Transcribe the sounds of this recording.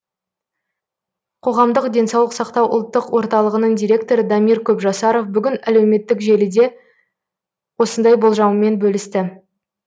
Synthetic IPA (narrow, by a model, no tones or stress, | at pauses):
qʰo̞ʁɑmd̪əqd̪ʲe̞nsɑwlˠəqsɑqt̪ɑwʔʊ̰lˠt̪ːəqwo̞ɾt̪ɑlˠəʁənəɴd̪ʲijɾʲe̞k̚t̪o̞ɾəd̪ɑmiɾkʲʰɵpʒɑsɑɾo̞fbʏɡʲɪnælewme̞t̪ːɪkʒe̞lɪd̪e̞ | wo̞sənd̪ɑjbo̞lˠʒɑwəme̞nbɵlɪst̪ɪ